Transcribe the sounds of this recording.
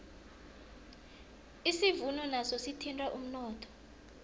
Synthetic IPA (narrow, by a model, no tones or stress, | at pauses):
isivunɔnasɔsitʰintʼwaʔum̩nɔːtʰɔ̥